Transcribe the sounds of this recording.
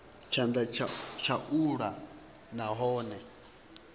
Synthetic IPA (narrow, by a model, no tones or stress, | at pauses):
t͡ʃʰand̪at͡ʃʰat͡ʃʰaʔuɺa | naɦɔːnɛ